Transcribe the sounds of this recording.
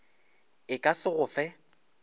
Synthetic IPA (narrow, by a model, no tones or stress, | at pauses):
ɪkʼasɪɣʊfɛ